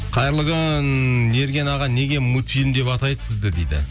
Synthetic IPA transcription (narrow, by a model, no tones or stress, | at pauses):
qʰɑjəɾlˠəʁəne̞ɾɡʲe̞nɑʁɑne̞ɡʲe̞mut̪filʲmd̪e̞pɑt̪ɑjd̪ə̥sɪzd̪ɪd̪ejd̪ɪ̰